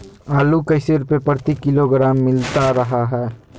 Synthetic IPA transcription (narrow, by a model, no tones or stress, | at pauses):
aːlukəɪseɾʊpepəɾt̪ikɪloɡɾaːmːɪlt̪aɾəɦaɦɛː